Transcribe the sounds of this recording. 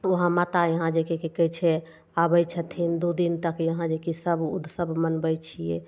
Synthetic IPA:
oɦãmat̪ajəɦãd͡ʒekekikət͡ʃʰɛ | abəjt͡ʃʰət̪ʰind̪ud̪int̪əkjəɦãd͡ʒekisəbṵd̪ʱsəbmənbəjt͡ʃʰijɛ̰

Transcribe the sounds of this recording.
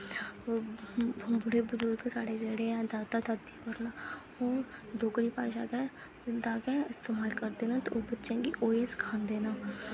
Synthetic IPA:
bʊɽeːbʊd͡ʒʊɾkesaːɽed͡ʒeɽeãːd̪aːt̪ad̪aːt̪ːibəɾnaː | oːɖoːkɾiːpã̰ːʃa̰ːkɛ̃ | d̪aːkɛ̃ːɪst̪eːmaːlkəɾd̪eːnãːt̪oʔoːbətːʃẽːkiʔoːeːskʰãːnd̪eːnãː

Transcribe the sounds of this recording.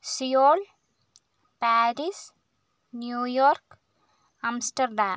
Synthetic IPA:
sijoːl | paːɾis | njuːjoːɾk | ɐmsʈɐɾɖaːm

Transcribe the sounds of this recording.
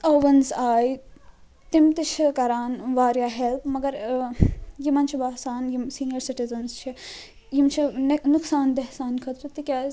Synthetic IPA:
ɐːʋɐnzaːj | t̪imt̪it͡ʃʰikɐɾaːnʋaːɾjaːɦelpmɐɡɐɾ | jimɐnt͡ʃʰiʋaːsaːnjimsiːnijɐɾsiʈizɐnst͡ʃʰi | jimt͡ʃʰinnuksaːnd̪eɦsaːnkʰɐt̪ɾɨt̪ikʲaːz

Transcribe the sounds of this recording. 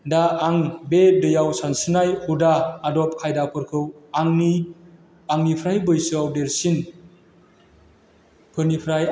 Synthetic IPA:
daaŋbedɯjawsansɯnajhudaːdɔp̚kʰajdapʰɯɾkʰɯwaŋni | aŋnipʰɾajbɯjsɯawdeɾsin | pʰɯnipʰɾaj

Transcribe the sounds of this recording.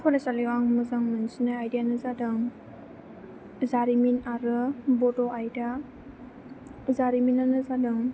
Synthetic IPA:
kʰɔlasaliwaŋmɯzaŋmɯnsinajajdijanɯzadɯŋ | zaɾiminaɾɯbɔdɔajda | zaɾiminanɯzadɯŋ

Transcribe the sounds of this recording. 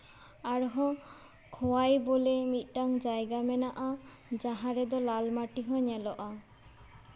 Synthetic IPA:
aɽɦɔ̃ | kʰɔwajbolemit̪̚ˀʈaŋd͡ʒajɡamɛnaʔa | d͡ʒaɦãɾɛd̪ɔlalmaʈiɦɔ̃ɲɛlɔʔa

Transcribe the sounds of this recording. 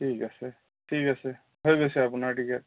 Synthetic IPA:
tʰikasɛ | tʰikasɛ | ɦojbesɛapunaɹtikɛt̚

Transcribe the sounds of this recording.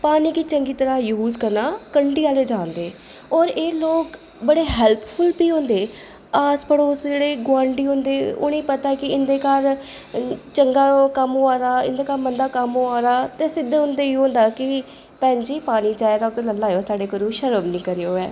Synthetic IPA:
paːniːkit͡ʃəŋɡiːt̪əɾaːjuːzkəɾnaːkəɳɖiːaːleːd͡ʒãːnd̪eː | ɔːɾeːloːk | bəɽeːɦɛːlppʰʊlpiːɦõːnd̪eː | aːspəɽoːsd͡ʒeːɽeːɡʊãːɳɖiːɦõːnd̪eːo̰ːnẽːpət̪aːkɪɪnd̪eːkaɾ | t͡ʃəŋɡaːkəmɦoːaːɾaːɪ̰nd̪eːkaːɾmənd̪aːkəmɦoːaːɾaːt̪eːsɪd̪ɦʊ̃nd̪eːiːɦõːnd̪aːkɪ | pɛ̃ːnd͡ʒiːpaːniːt͡ʃaːeɾɔːk̚t̪eləlːaːjoːsaːɖeːkəɾũːʃəɾəbnĩːkəɾejoːɛː

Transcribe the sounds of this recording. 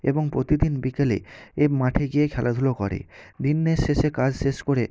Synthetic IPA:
eboŋpɾot̪id̪inbikelḛemaʈʰeɡiekʰɛlʔad̪ʱulokɔɾḛd̪inːeʃeʃekad͡ʑʃeʃkoɾe

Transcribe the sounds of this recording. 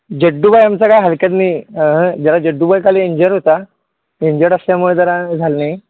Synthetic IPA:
d͡ʑəɖːubajamt͡sakajɦalkjat̪niːɦə̃d͡ʑaɾad͡ʑəɖːubajkalieɲd͡ʑəɾɦot̪a | eɲd͡ʑəɽəsljamuɭed͡z̪əɾãd͡zʱalne

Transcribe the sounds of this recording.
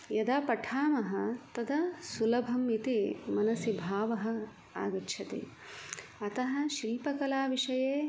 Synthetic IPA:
jɐd̪aːpɐʈʰaːmɐɦɐ̆t̪ɐd̪ɐsulɐbʱɐmit̪imɐnɐsibʱaːʋɐɦɐ̆ | a̰ːɡɐtːʃʰɐt̪ḛː | ɐt̪ɐɦɐ̆ʃɾiːpɐkɐlaːʋiʂɐjeː

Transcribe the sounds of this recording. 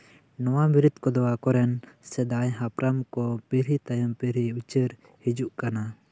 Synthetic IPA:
nɔwamiɾid̪kɔd̪ɔwakɔɾɛnsɛd̪ajɦapɾamkɔpiɾit̪ajəmpiɾiut͡ʃəɾ | hid͡ʒuʔkana

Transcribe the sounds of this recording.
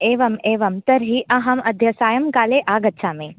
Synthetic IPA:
eːʋɐmeːʋɐmt̪ɐɾɦiʔɐɦɐmɐd̪ʱjɐsaːjɐmkaːleːʔaːɡɐtːʃʰaːmẽː

